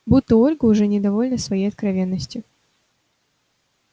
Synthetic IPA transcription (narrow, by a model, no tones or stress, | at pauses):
but̪ːəolʲɡəːʐɛnʲɪd̪ɐvo̞lʲnəsvɐjejɐt̪̚kɾɐvʲe̞nːəsʲtʲjʊ